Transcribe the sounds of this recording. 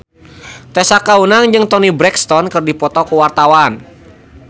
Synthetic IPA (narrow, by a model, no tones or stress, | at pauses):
t̪ɛsakaunaŋd͡ʒɨŋt̪ɔnibɾɛkst̪ɔnkɨrdipɔt̪ɔkuwart̪awan